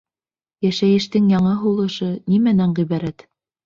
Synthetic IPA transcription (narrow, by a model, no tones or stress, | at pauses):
jæʃæjɘ̆ʃt̪ɘŋjɑɴɤɦulˠɤ̆ʃɤnimænæɴʁiβæɾæt̪